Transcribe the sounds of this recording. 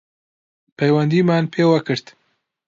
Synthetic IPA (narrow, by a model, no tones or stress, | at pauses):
pʰɐjwɐnd̪iːmaːnpʰeːwɐkɨɾt̪